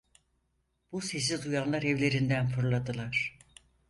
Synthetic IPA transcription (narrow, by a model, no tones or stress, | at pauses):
b̥use̞s̬izujanlˠaɾɛvlʲe̞ɾind̪ænfuɾlˠad̪ɯlˠaɾ̝̥